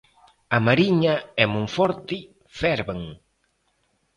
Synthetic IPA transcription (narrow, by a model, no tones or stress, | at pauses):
ɐmaɾiɲaɛmũŋfɔɾt̪ɪ | fɛɾβaŋ